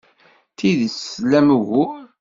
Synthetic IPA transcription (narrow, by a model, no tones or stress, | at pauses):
t̪iðislæmɣu